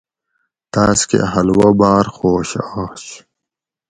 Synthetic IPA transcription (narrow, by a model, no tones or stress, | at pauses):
t̪aːskḛɦɐlwɐbaːɾxoːɕaːɕ